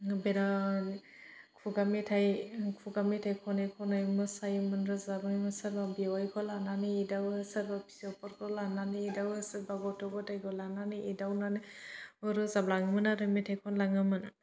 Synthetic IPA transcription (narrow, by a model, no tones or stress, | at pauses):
beɾa | kʰuɡamitʰajkʰuɡamitʰajkʰɔnakʰɔnajmɯsajmɯnɾɯzabaŋmɯsaɾbabiwajkʰɔlananɯidawɯsaɾbapʰi̥sɔpɔɾkʰɔlananiidawɯsɯɾbaɡɔtʰɔɡɔtajkʰɔlananɯʔidawnanɯɯɾɯzablaŋmɯnaɾɯmitʰajkʰɔnlaŋɯmɯn